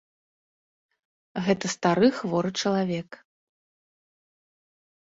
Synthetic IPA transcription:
ɣɛt̪ɐst̪aɾɨxvɔɾɨt͡ʂɐlˠavʲɛk

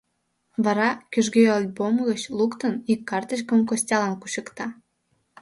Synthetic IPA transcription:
βɑɾɑkyʒɣøɑlʲbomɣət͡ɕlukt̪ənikːɑrt̪əɕ̬kəmkosʲtʲɑlɑnkuɕə̆kt̪ɑ

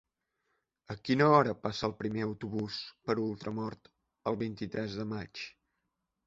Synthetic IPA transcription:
əkinəɔɾəpasəːlˠpɾimeəwt̪uβuspəɾulˠt̪ɾəmɔɾt̪ | əlˠβint̪it̪ɾɛzðəmat͡ʃ

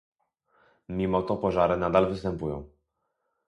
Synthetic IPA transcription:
mʲimɔt̪ɔpɔʐaɾɘnad̪alvɘst̪ɛmpujɔ̰̃w̃

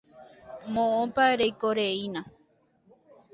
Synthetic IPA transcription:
mõõpaeɾejkoɾeinã

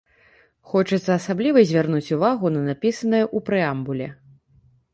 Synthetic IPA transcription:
xɔt͡ʂɐt̪sːɐːsablʲivɐzʲvʲarnut͡sʲuvaɣunɐnapʲisɐnɐjɐʔupɾɨambulʲɛ

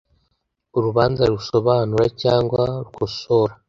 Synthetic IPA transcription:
uɾuβaːnzaɾuso̞βaːnuɾacaːŋɡwaɾɡosoɾa

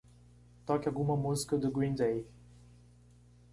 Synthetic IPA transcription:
t̪ɔkʲaɡumɐmuzi̥kɐd̪əɡwĩnd̪ej

